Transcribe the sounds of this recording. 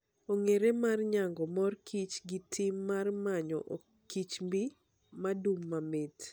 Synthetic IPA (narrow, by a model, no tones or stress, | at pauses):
oŋeɾemarɲaŋɡɔmɔrkʰit͡ʃɡɪtʰɪmːarmaɲɔ̰ʔo | kit͡ʃmbi | madumːamɪt